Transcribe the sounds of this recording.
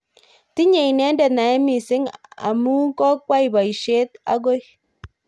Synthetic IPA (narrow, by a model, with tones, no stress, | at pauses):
ti˦ɲe˨i˨nɛ˦ndɛ˨na˨ɛ˦mi˨sɪ˦ŋa̰˨mu˦kɔ˦k̚wa˦i˨ba˨i˨ʃe˦t̪a̰˦ɡo˦j